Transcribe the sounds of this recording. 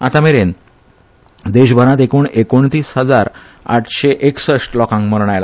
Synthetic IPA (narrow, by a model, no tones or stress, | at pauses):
at̪ameɾen | d̪eɕbʱəɾãt̪ekuːɳekoɳt̪iːsɦəd͡zaɾ | a̰ʈʰɕeʔeksəʂʈlɔkãŋkməɾɳ̃ajla̰